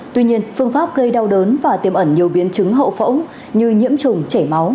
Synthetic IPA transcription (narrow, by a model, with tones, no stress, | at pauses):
t̪wi˧ɲi˧ənfɨ˧əŋfaː˦˥p̚ɣə˧jɗa˧wɗəː˨˦nvaː˨˩t̪i˧˩əmʔə˧˩nɲi˨˩əwɓi˨˦ənt͡ɕɨ˨˦ŋɦə̰˧˨wfə̰˧˥w | ɲɨ˧ɲḭ˧˥əmt͡ɕʊ˨˩ŋ͡mt͡ɕe˧˩ma˨˦w